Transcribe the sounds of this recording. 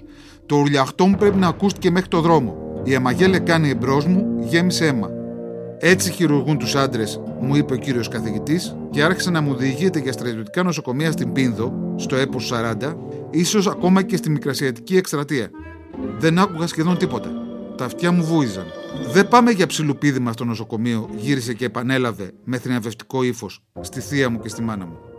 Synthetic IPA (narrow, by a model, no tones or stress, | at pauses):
t̪o̞uɾʎɐxt̪o̞mupɾe̞pinɐːkust̪i̥ce̞me̞xɾit̪o̞ðɾo̞mo̞̰iɐmɐʝe̞le̞kɐniebɾo̞zmuʝe̞misee̞mɐ̰ | e̞t͡siçiɾuɾɣunt̪usɐnd̪ɾe̞s | muipe̞o̞ciɾio̞skɐθiʝit̪is | ce̞ɐɾçi̥senɐmuoðiʝit̪e̞ʝɐst̪ɾɐt̪io̞t̪i̥kɐno̞so̞ko̞miɐst̪imbinðo̞st̪o̞e̞possɐɾɐnd̪ɐiso̞sɐko̞mɐce̞st̪imikɾɐsiɐt̪i̥cie̞kst̪ɾɐt̪iɐ | ðe̞nɐkuɣɐsce̞ðo̞nt̪ipo̞t̪ɐt̪ɐft̪çɐmuvuizɐnðe̞bɐme̞ʝɐpsilupiðimɐst̪o̞no̞so̞ko̞mio̞ʝiɾis̬e̞ce̞ːpɐne̞lɐve̞me̞θɾinɐve̞ft̪i̥ko̞ifo̞s | st̪iθiɐmuce̞st̪imɐnɐmu